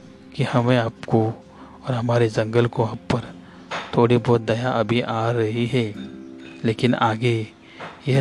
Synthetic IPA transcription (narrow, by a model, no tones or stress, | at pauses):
kihɐmẽaːpko | ɔːɾɦɐmaːɾed͡ʒɐ̃ŋɡəlkoaːppɐɾ | t̪ʰoːɽibɔːt̪̚d̪ɐjaʔɐbʱiʔaːɾɐɦiɦɛː | leːkɪnaːɡe | jɛɦ